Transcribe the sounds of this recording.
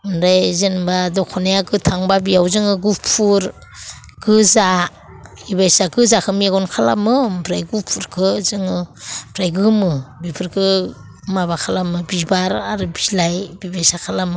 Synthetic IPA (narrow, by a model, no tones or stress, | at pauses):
mɾajzɯnbadɔkʰɔnajaɡɯtʰaŋbabijawzɯŋɯɡupʰuɾ | ɡɯza | ibajsaɡɯzakʰɯmieɡɔnkʰala̰mɯbɾajɡupʰuɾkʰɯzɯŋɯbʰɾajɡɯmɯbipʰɯɾkʰɯ | maβakʰalamɯbibaɾaɾɯbilajbibajsakʰalamɯ